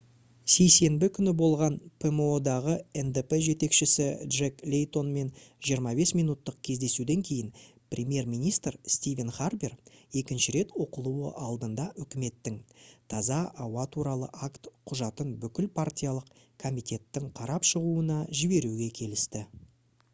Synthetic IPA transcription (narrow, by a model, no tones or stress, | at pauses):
se̞jse̞mbɪkʲʰʏnɪbo̞lˠʁɑnpʰemod̪ɑʁəend̪epeʒe̞t̪e̞kʃɪsɪd̪ʐeklʲejt̪o̞nme̞nʒijəɾmɑbe̞smijnut̪ːəq̚kʲʰe̞zd̪e̞sud̪e̞ŋkʲʰe̞jɪn | prʲʔemʲje̞ɾmijnijst̪rst̪ivʲe̞nχarbire̞kʲɪnʃɪɾe̞t̪wo̞qəlˠuwə̰ʔɑlˠd̪ənd̪ɑʔʏkʲɪme̞t̪ːɪŋt̪ʰɑzɑʔːwɑt̪ʰuɾɑlˠəʔakt̪qʰʊʒɑt̪ənbʏkʲɪlpʰart̪ʲijɑlˠəq | kʰo̞mijt̪ʲe̞t̪ːɪŋqʰɑɾɑpʃəʁuənɑʒɪbe̞ɾuɡʲe̞kʲʰe̞lɪst̪ɪ